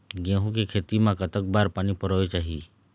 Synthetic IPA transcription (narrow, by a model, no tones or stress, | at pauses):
ɡẽːɦũkekʰeːt̪imãkət̪ək̚baːɾpaːnipəɾoːet͡ʃaːɦiː